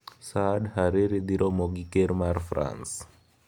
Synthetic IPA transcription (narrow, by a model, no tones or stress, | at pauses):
sadhaɾiɾid̪iɾʔomoɡikeɾmaɾfɾʔa̰ns